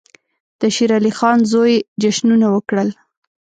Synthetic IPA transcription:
d̪̥əʃiɾɑlixɑnzojd͡ʒaʃnunawəkɽəl

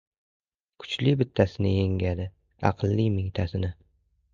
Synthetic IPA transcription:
kʰʊ̥t͡ʃlɪbɪt̪ʰːasɪnɪ̰jeŋɡʲad̪ɪ | ɑ̰qʰlˠːijmɪŋt̪ʰasɪnɪ

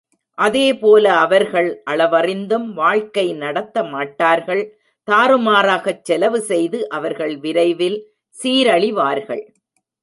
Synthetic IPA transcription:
ʔɐðeːpoːlɐːʋɐɾɣɐɭʔɐɭɐʋɐrɪnd̪ɯmʋaːɻkɐɪnɐɽɐt̪ːɐmaːʈːaːɾɣɐɭ | t̪aːɾɯmaːɾaːɣɐt͡ʃːɛlɐʋɯsɛjðɯʔɐʋɐɾɣɐɭʋɪɾɐɪʋɪl | siːɾɐɭɪʋaːɾɣɐ̰ɭ

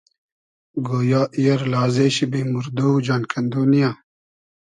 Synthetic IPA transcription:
ɡoːjaːʔijɐɾlaːzeːɕibimuɾd̪owd͡ʒaːnkʰɐnd̪oːnijãː

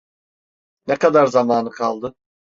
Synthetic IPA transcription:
nɛkad̪aɾzamaːnɯkʰalˠd̪ɯ

